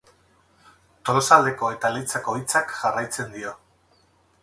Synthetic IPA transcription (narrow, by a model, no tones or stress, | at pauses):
t̪oɾosald̪e̞ko̞e̞t̪alit͡sako̞it͡sakʝarajt͡se̞nd̪io̞